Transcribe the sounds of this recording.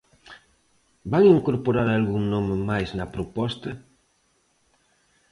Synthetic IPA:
baŋiŋkoɾpoɾaɾalɣuŋnomemajznɐpɾopɔst̪ɐ

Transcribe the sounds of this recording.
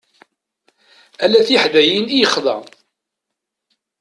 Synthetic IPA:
ælæθiħðæjinijəχðˤɑ̰

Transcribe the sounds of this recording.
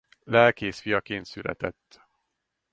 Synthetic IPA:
lɛlkeːsfijɒkeːnt̪sylɛ̰t̪ɛt̪ː

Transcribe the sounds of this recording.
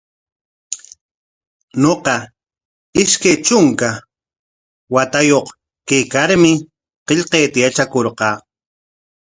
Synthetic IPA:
ɲoqɑ | ɪʃkajt͡ʃʊŋka | wat̪ajoq | kejkaɾmɪ | qeʎqejt̪ajat͡ʃakoɾqɑː

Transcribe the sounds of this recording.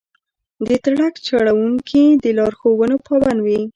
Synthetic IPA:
d̪ət̪aɽakt͡ʃaɽawuŋkʰid̪əlɑɾxowənopɑbanwi

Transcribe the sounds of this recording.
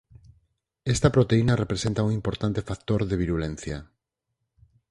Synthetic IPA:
est̪apɾot̪einarepɾesent̪auŋimpoɾt̪ant̪efak̚t̪oɾðeβiɾulen̟θja

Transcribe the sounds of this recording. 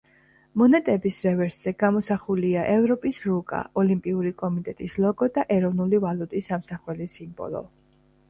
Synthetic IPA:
mɔnɛt̪ʼɛbisɾɛvɛɾsz̥ɛɡamɔsaχuliaʔɛvɾɔpʼisɾukʼa̰ɔlimpʼiuɾikʼɔmit̪ʼɛt̪ʼislˠɔɡɔd̪aʔɛɾɔvnulivalut̪ʼisːamsaχwɛlisimbɔ̰lˠɔ̰

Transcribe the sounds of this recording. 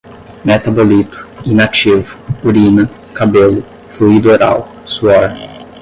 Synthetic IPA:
met̪abolit̪ʊ̥inat͡ʃivʊuɾinɐ | kabelʊ | fluid̪oɾa̰w | suɔɾ

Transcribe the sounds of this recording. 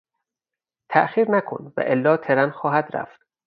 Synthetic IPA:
t̪ʰæʔxiːɾnækʰo̰nvæ̰ʔelːɒːt̪ʰeɾænxɒːɦæd̪ɾæ̰ft̪

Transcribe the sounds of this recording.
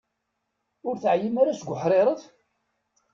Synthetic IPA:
ʊɾθʕjimaɾasəɡʷʊħɾˤeɾˤəð

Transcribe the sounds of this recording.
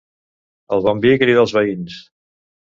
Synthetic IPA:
əlˠβɔmbikɾiðəlˠzβəins

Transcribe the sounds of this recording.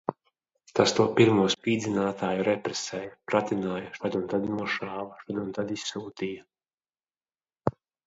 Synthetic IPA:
t̪ast̪uɔpiɾmuɔspʲiːd̪zinaːt̪aːjuɾɛpɾɛsɛːjapɾat̪ʲinaːjaʃad̪unt̪ad̪imuʃaːvaʃad̪unt̪ad̪isːuːt̪iːja

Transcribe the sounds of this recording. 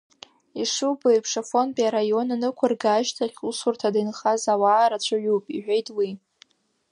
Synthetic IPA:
iʂubɨjpʰʂafo̞npʼiaɾajo̞nanɨkʷʰarɡaːʒtʰaχʲusurtʰadanχazawaːɾat͡ɕʷʰaʕupʼiʕʷᶣejtʼwi

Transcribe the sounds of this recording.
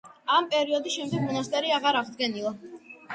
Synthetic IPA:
ampʼɛɾiɔd̪isʃɛmd̪ɛɡ̚mɔnast̪ʼɛɾiaʁaɾaʁd̪ɡɛnilˠa

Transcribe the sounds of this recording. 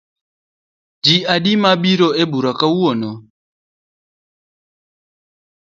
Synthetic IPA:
diaɗimaɓiɾɔebuɾakawuɔnɔ

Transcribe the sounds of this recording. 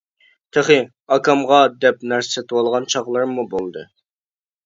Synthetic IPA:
t̪ʰəχɨ | ɑkʰɑmʁɑd̪ɛp̚næɾset̪ʰwɑlˠʁɑnt͡ʃʰɑʁlˠɨɾmubolˠd̪ɨ

